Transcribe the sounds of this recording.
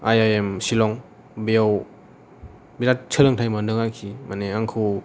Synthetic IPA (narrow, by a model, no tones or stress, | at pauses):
ajajemsilɔŋ | bijaw | biɾat̚t͡ʃʰəlɯŋtʰajmandɯŋakʰimaneaŋkʰɯ